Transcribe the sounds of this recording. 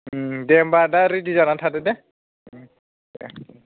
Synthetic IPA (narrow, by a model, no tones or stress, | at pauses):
dɛmbadaɾidizanatʰadɛdɛ